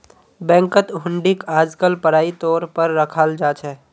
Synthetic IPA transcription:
bɛ̃ːŋkət̪ɦʊ̃ɳɖikaːd͡ʒkəlpəɽaːit̪ɔːɾpəɾːəkʰald͡ʒaːt͡ʃɦɛː

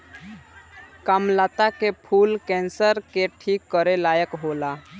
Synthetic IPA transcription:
kamlaːt̪akepʰuːlkɛ̃ːnsəɾkeʈʰiːkːəɾelaːjəkɦoːla

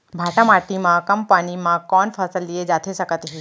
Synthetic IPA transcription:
bʱaʈãmaʈimãkəmpanimãkɔnfʰəsəlːied͡ʒat̪ʰesəkət̪ɦi

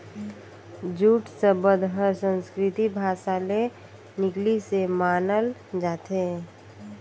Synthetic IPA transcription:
d͡ʒuːʈsəbəd̪ɦəɾsə̃nskɾɪt̪ibʱaːsale | nɪklisemaːnəld͡ʒaːt̪ʰe

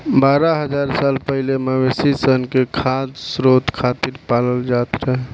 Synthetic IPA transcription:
baːɾaɦəd͡ʒaɾsaːlpəɦileməʋesisənkekʰad̪sɾot̪kʰat̪iɾpaləld͡ʒat̪ɾəɦɛ

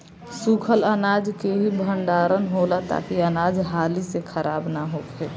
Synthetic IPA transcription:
sukʰələnaːd͡ʒkeɦibʱəɳɖaːɾənɦolat̪a̰kiənaːd͡ʒɦaːlisekʰəɾaːbnaɦoːkeː

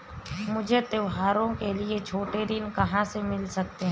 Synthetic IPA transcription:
mʊd͡ʒʱet̪eʋɦaːɾõkeliet͡ʃʰoːʈeɾinkɐɦãsemɪlsɐk̚t̪eɦɛ̃

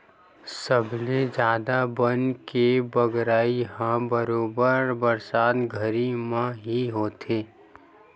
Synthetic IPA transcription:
səbled͡ʒjaːd̪abənkebəɡɾaːiɦãbəɾoːbəɾbəɾsaːt̪ɡʱəɾimãɦiɦoːt̪ʰeː

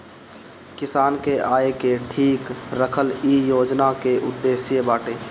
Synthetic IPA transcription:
kɪsaːnkeʔaːekeʈʰiːkɾəkʰəlijoːd͡ʒnakeʔʊd̪ːeːsjebaːʈeː

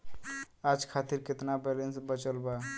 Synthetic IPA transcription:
ad͡ʒkʰat̪iɾket̪nabɛlensbət͡ʃəlba

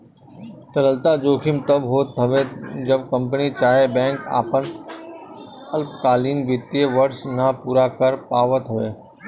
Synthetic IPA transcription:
t̪əɾəlt̪ad͡ʒoːkʰɪmt̪əbɦoːt̪əʋed͡ʒəb̚kə̃mp̬ənit͡ʃaːɦebɛ̃ːŋka̰ːpən | ɐlpkaːliːnʋɪt̪ijeʋəɾsnapuːɾakəɾpaːʋət̪ɦʊʋeː

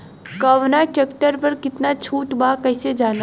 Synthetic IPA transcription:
kɐʋnaʈekʈəɾpɐɾkɪt̪nat͡ʃʰuːʈbaːkɐɪsed͡ʒaːn

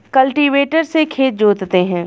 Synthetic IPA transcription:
kɐlʈiʋeːʈəɾsekʰeːt̪̚d͡ʒoːd̪t̪eɦɛ̃ː

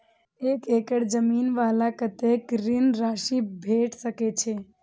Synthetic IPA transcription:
ekekəɽd͡ʒəminʋaːlakət̪ekɾinɾaːʃibʱeʈsəket͡ʃʰe

